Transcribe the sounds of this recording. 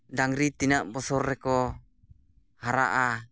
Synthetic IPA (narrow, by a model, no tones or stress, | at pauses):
daŋɾit̪inaʔbɔsɔrːɛkɔ | haɾa̰ʔa